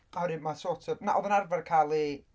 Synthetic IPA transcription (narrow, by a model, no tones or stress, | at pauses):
aɾɪmasɔtʰəvnaʔɔvənarvarkʰalˠi